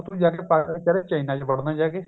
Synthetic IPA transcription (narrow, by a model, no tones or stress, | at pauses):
t̪ũd͡ʒaːk̬epat͡ʃəɾet͡ʃəinãːt͡ʃbəɽnãːd͡ʒaːkeː